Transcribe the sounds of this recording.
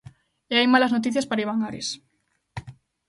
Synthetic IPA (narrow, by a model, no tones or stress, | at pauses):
eajmalaznot̪̬iθjaspaɾaiβaŋaɾḛs